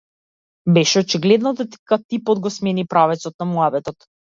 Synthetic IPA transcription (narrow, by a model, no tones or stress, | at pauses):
bɛʃɛɔt͡ʃiɡlɛd̪nɔd̪at̪kat̪ipɔd̪ɡɔsmɛnipɾavɛt̪sɔt̪̚namuabɛt̪ɔt̪